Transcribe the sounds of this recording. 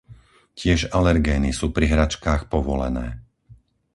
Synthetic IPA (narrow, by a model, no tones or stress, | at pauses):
cɪɛʒalɛɾɡɛːnisuːpɾiɦɾat͡ʃkaːxpɔʋɔlɛ̰nɛː